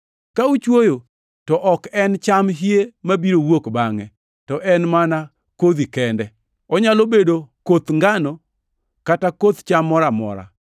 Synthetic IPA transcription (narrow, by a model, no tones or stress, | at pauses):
kaut͡ʃwojo | tɔʔɔkɛnt͡ʃamɦjemabiɾowokbaŋɛ | tɔʔɛnmana | kod̪ikɛndɛ | ɔɲalobedokot̪ŋɡanɔ | katakot̪t͡ʃamːɔɾamɔ̰ɾa̰